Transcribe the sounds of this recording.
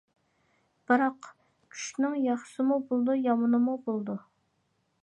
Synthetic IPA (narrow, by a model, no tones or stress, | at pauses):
b̥ɨɾɑq | kʲʰy̥ʃnɨŋjɑχsɨmubolˠd̪ujɑmɨnɨmubolˠd̪u